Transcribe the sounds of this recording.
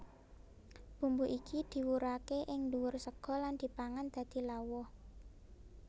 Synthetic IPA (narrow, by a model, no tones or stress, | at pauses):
b̥ṳmbuʔikʰid̪̥i̤wuɾakeʔɪŋluwʊrsəɡ̥ɔ̤land̪̥i̤paŋand̪̥ä̤d̪̥i̤lawɔh